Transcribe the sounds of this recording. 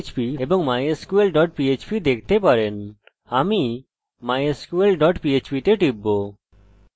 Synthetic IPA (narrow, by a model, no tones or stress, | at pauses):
t͡ʃpiebɔŋmajeskuelɖɔʈ̚piet͡ʃpid̪ek̚ʰt̪epaɾen | ami | majeskuelɖɔʈpiet͡ʃpit̪eʈibːo